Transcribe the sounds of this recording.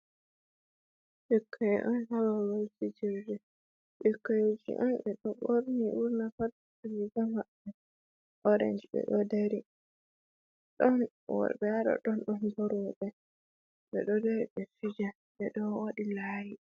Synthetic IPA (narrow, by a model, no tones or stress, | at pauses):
ɓɛkʰːajɛʔɔnhawawalsid͡ʒiɾd͡ʒɛ | ɓɛkːajod͡ʒḭʔɔnɓɛɗɔɓoɾniʔuɾnafatː | awiɡamaɓːɛ | ʔɔɾa̰nd͡ʒbɛ̰ɗɔdeɾi | ɗɔn | wɔ̰bɛaɗɔ̰ɗɔnɗɔnbɔɾwɔɗɛ | bɛ̰ɗɔdeɾibɛfid͡ʒa | ɓɛɗɔwaɗilaːji